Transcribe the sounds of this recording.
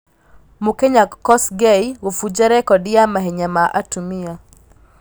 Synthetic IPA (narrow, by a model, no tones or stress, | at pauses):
mukeɲakɔsɡejwofud͡ʒaɾɛkɔdɪjamaɦeɲamaʔatumia